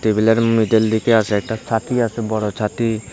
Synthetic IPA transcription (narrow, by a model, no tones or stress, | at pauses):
t̪ebileɾmid̪eld̪ikeaseɛk̚ʈat͡ʃʰat̪iasebɔɽot͡ʃʰat̪i